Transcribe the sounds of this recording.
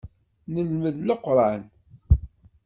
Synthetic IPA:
nəlməðləqːɾˤɑn

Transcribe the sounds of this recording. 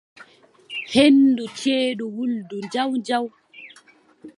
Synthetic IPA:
hendut͡ʃeːɗuwulduɲd͡ʒawnd͡ʒaw

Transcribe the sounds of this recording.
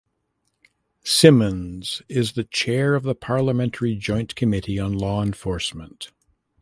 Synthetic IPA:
sɪ̃mɨ̃nz̥ɪzðɨt͡ʃʰɛɹʌvðəpʰɑɹlˠəmɛ̃ntʰə˞id͡ʒɔ̃ɪ̃nkʰɨmɪɾiə̃nlɔə̃ɱfɔɹsmə̃nt

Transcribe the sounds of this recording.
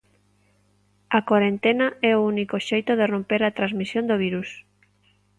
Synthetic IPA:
ɐkaɾent̪enaɛounikoʃejt̪oðerompeɾat̪ɾãnzmisjond̪oβ̞iɾus

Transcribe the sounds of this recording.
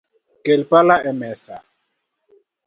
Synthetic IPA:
kɛlpalaɛmɛsa

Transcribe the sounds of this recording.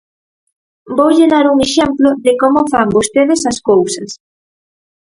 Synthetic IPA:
bowʎeðaɾuŋeʃemploðɪkomofambost̪eðɪsɐskowsɐs

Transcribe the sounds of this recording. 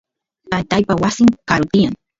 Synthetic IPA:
t̪ajt̪ajpawasɪŋkaɾʊt̪ɪjaŋ

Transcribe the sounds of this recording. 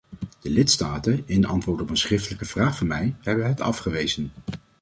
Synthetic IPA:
d̥əlɪtstaːtənɪndəʔɑ̰ntʋʊːɹtɔpənsχrɪftələkəv̥raːχfʊmɛjhɛbəɦətʰɑ̰fχəʋejzən

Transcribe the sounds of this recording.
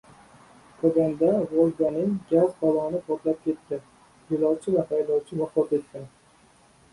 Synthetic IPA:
t̪ʰoɡʲand̪aɾolˠɡʲanɪŋɡʲazb̪ɒlɒnɪpʰɒt̪lap̚kʲe̞t̪ʰːɪ | jɪlˠɒwt͡ʃʰɪvafajd̪ɒwt͡ʃʰɪvaχfɒt̪et̪̚kʰʲan

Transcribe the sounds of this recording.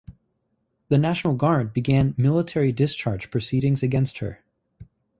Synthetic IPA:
ðɨnæʃn̩l̩ˠɡɑɹd̚bɨɡæ̃nmɪlˠətʰɛɹidɨst͡ʃʰɑɹ̥d͡ʒ̥pʰɹ̥ɨsiɾɪ̃ŋzɨɡɛ̃nst̚hə̰˞

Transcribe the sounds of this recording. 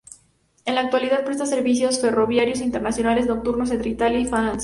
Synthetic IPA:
enlaːk̚t̪waliðað̚pɾest̪aseɾβisjosfe̞ro̞βjaɾjo̞s̬int̪eɾnasjo̞nale̞zno̞k̚t̪uɾnos̬ent̪ɾit̪alifanans

